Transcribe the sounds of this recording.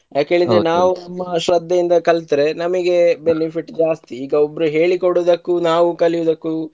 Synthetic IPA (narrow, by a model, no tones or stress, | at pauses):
jaːkɦe̞ːɭid̪ɾenaːʋunɐmːɐʃɾɐd̪ʱːɐjind̪ɐkɐlt̪ɾe̞nɐmɐɡe̞benipʰiʈd͡ʒaːst̪iːɡɐobːɾuɦe̞ːɭikoɽud̪ɐkːunaːʋukɐlijud̪ɐkːu